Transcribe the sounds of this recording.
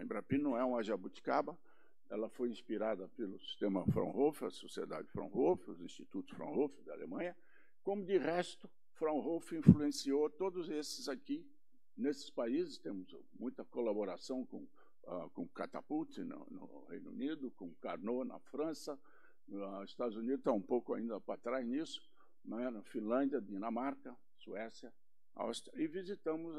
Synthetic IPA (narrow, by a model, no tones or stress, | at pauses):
ẽbɾapĩnɐ̃w̃ɛũaʒabut̪i̥kabɐ | ɛlɐfojĩspiɾad̪ɐpelʊsi̥st̪ẽmɐfɾɐ̰̃w̃hofɪɐ̰sosied̪a̰d͡ʒɪfɾɐ̰̃w̃hofɪʊzĩst̪it̪ut̪ʊ̥sfɾɐ̰̃w̃hofɪd̪ɪa̰lḛmɐ̃ɲɐ | kõmʊd̪ɪʁɛst̪ʊ | fɾɐ̃w̃hofɪĩfluẽsiot̪od̪ʊzesɪzaki | nesɪ̥spaizɪst̪ẽmʊz | mũj̃t̪ɐkolaboɾasɐ̃w̃kõ̰ | a̰kõka̰t̪a̰put̪ɪnɐ̰nʊ̰ | hḛjnṵnid̪ʊkõka̰ɾnonɐ̰fɾɐ̃sɐ | aɪst̪ad̪ʊzunid̪ʊst̪aũpowkʊa̰ĩnd̪ɐpat̪ɾaznisʊ̥ | ñɛnɐfĩlɐ̃nd̪jɐd̪inɐmaɾkɐ | suɛsjɐ | a̰wst̪ɾɐɪvizit̪ɐ̃mʊz